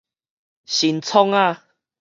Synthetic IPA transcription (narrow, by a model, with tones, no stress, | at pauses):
ɕi˨nt͡sʰɔ˦ŋa˧